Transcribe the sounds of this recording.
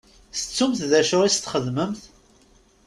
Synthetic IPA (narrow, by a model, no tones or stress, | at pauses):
θət͡sːumθðæʃʊʁist̪ːχəðməmθ